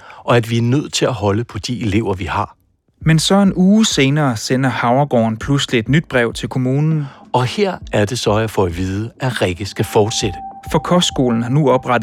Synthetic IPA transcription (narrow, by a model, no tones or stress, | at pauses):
ʔɒ̽æd̥ʋiæɐnøð̞̰ˠt͡sʰe̝læɦɒ̽ləpʰɒ̽d̥ie̝le̝ʊ̰ɐʋihɑ̈ | mensɒ̽e̝nuːse̝ːnɐːsen̰ɐhɑ̈ʊɐɡ̥ɒ̰ːnpʰluslied̥nyd̥̚b̥ʁɛʊ̰t͡sʰe̝lkʰo̝muːnn̩n̩ɒ̽heɐ̰æɐd̥e̝sɒ̽æfɒʋiːð̞ˠəæʁɛɡ̥əsɡ̥æfɒːd̥sed̥əfɒ̽kʰɒsɡ̥o̝̰ːln̩hɑnuɒ̽b̥ʁad̥